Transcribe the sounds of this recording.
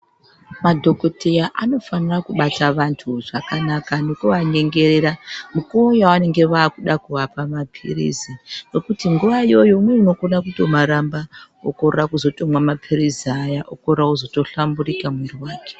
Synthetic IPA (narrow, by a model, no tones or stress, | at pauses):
madʱo̞ko̞tʰejaʔano̞fanirakuɓataʋantʰuʐakanakanokuʋaɲe̞ŋɡe̞re̞ɾamukuojawane̞ŋɡe̞ʋaːkuɗakuʋapamapʰḭrḭzino̞kutiŋɡuʋaijo̞jo̞mweino̞konakuto̞maɾamba | o̰korrakuzo̞to̞mwamapʰiriziajaʔo̰korrakuzo̞to̞ɬamburikamweriwaːke̥